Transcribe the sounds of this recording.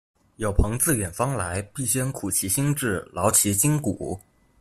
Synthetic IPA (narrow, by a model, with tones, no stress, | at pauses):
jo˨˩ʊpʰɤ˧˥ŋt͡sɹ̩˥˩ɥɛ˨˩nfɑ˥ŋla˧˥ɪpi˥˩ɕjɛ˥˩nkʰu˨˩t͡ɕʰi˧˥ɕi˥ŋʈ͡ʂɻ̩˥˩lɑ˧˥ʊt͡ɕʰi˧˥t͡ɕi˥ŋkṵ˨˩˦